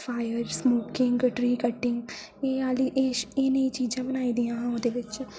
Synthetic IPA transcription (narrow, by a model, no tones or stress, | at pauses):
faːjəɾsmoːkɪ̃ŋɡʈɾiːkəʈːɪ̃ŋɡ | eːaːliʔeːeneit͡ʃiːd͡ʒãbənaːiːd̪iãɦãod̪eʋɪt͡ʃ